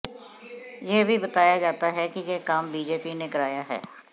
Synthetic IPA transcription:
jeːbʱiːbət̪aːjaːd͡ʒaːt̪aːɦɛkɪjeːkaːmbiːd͡ʒeːpiːneːkəɾaːjaːɦɛ̰ː

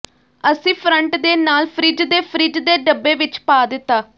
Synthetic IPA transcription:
əsĩːpʰɾəɳʈd̪eːnaːlpʰɾɪd͡ʒd̪eːpʰɾɪd͡ʒd̪eːɖəbːeːʋɪt͡ʃpaːd̪ɪt̪ːaː

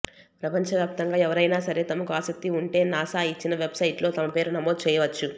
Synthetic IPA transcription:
pɾɐpɐɲt͡ʃɐʋjaːp̚t̪ɐŋɡaːɛʋɐɾɐjnaːsɐɾe̞ːt̪ɐmɐkuaːsɐk̚t̪iuɳʈe̞ːnaːsaːit͡ʃːinɐʋe̞bsɐjiʈlo̞ːt̪ɐmɐpe̞ːɾunɐmoːd̪̚t͡ʃɛːjɐʋɐt͡ʃːu

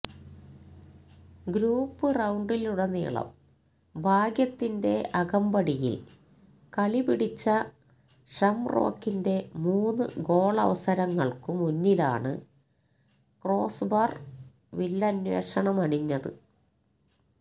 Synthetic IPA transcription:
ɡɾuːpːɨrɐwɳɖiluɽɐnḭːɭɐ̰m | bʱaːɡjɐt̪ːinde̞ʔɐɣɐmbɐɽijḭl | kɐɭibiɽit͡ɕːɐ | ʂɐmro̞̰ːkːinde̞muːnːɨ̰ɡo̞ːɭɐ̰ʋɐsɐɾɐŋːɐɭkɨmunːila̰ːɳɨ̰ | kro̞ːsbɐr | ʋilːɐɐnwe̞̰ːʂɐɳɐmɐɳiɲːɐðɨ̰

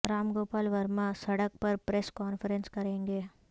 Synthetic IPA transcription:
ɾaːmɡoːpaːlʋɐɾmãsɐɽɐk̚pɐɾpɾeskaːnfʰɐɾenskɐɾeːŋɡeː

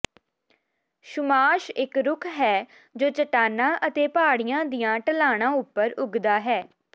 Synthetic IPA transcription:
ʃʊmaːʃɪkɾʊkʰɦɛː | d͡ʒoːt͡ʃəʈaːnãːʔət̪eːpaːɽɪjãːd̪ijãːʈəlaːɽ̃ãːʊpːəɾʊɡd̪aːɦɛː

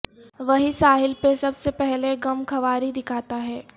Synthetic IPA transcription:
ʋɐɦisaːɦɪlpesɐbsepɛɦleɡɐmkʰɐʋaːɾid̪ɪkʰaːt̪aɦɛː

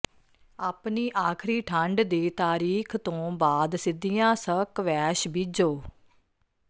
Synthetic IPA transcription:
aːpniːʔaːkʰɾiːʈʰəɳɖd̪eːt̪aːɾiːkʰt̪õːbaːd̪sɪd̪ijãːsəkʋɛːʃbɪd͡ʒoː

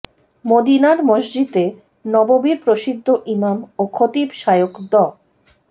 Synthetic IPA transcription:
mod̪inaɾmoʒd͡ʑit̪e | nɔbobiɾpɾoʃid̪ʱːoʔimamokʰot̪ibʃajokd̪ɔ

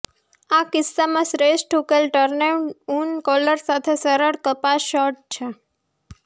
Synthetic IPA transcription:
akɪsːamãsɾesʈʰukelʈəɾneunkɔləɾsat̪ʰesəɾəɽkəpasʃɔʈ̚t͡ʃʰe

